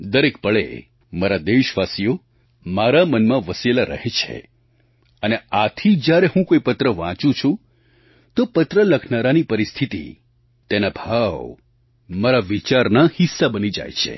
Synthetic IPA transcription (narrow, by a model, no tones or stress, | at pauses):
d̪əɾekpəɭḛ | maɾad̪eʃʋasijo | maɾamənmãʋəselaɾə̰ɦet͡ʃʰḛ | əneat̪ʰid͡ʒjaɾeɦũkoipət̪ɾəʋã̰t͡ʃũt͡ʃʰũ | t̪opət̪ɾələkʰnaɾanipəɾist̪ʰit̪ḭ | t̪enabʱaʋ | maɾaʋit͡ʃaɾnahisːabənid͡ʒa̰jt͡ʃʰḛ